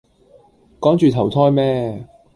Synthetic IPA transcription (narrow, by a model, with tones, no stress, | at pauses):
kɔː˨˥ŋt͡ʃyː˨t̪ʰɐ˨˩wt̪ʰɔː˥jmɛː˥